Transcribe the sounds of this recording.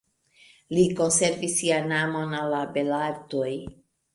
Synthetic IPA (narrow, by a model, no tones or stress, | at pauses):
liko̞nse̞ɾvisːianamo̞nalːabelaɾtoj